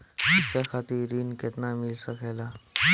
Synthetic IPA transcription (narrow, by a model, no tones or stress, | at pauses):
t̪it͡ɕjakʰat̪iːɾiːnket̪namilsəkɛla